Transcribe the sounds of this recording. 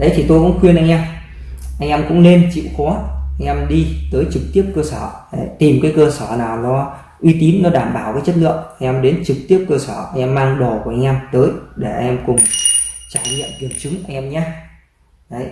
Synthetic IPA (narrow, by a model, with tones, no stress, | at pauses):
ɗə˨˦jt̪ʰi˨˩t̪o˧jkʊ̰˧˥ŋ͡mxwi˧ənʔa˧jŋ̟ʔɛ˧m | ʔa˧jŋ̟ʔɛ˧mkʊ̰˧˥ŋ͡mne˧nt͡ɕḭ˧˨wxɔ˨˦ʔa˧ŋ̟ʔɛ˧mɗi˧t̪əː˨˦jt͡ɕɨ˨˩k̚t̪i˦˥əp̚kəː˧səː˧˩ɗe˧˩t̪i˨˩mkaː˨˦jkəː˧səː˧˩naː˨˩wnɔ˨˦ | ʔwi˧t̪i˨˦nːɔ˨˦ɗaː˧˩mɓaː˧˩wvəː˨˦jt͡ɕə˦˥t̚lɨ̰˧˨əmʔa˧ŋ̟ʔɛ˧mɗe˨˦nt͡ɕɨ˨˩k̚t̪i˦˥əp̚kəː˧səː˧˩ʔa˧jʔɛ˧mːaː˧ŋɗo˨˩kəʔa˧jŋ̟ʔɛ˧mt̪əː˨˦jɗe˧˩ʔa˧jŋʔɛ˧mkʊ˨˩ŋ͡mt͡ɕaː˧˩jɲḭ˧˨əmvi˨˩ənt͡ɕɨ˨˦ŋʔa˧ŋʔɛ˧mɲaː˧ | ɗə˨˦j